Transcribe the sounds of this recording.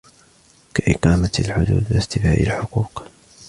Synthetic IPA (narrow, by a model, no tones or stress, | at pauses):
kaʔɪqɑːmalħʊd̪ṵːd̪wɪst̪ɪfaːʔa̰lħʊquːq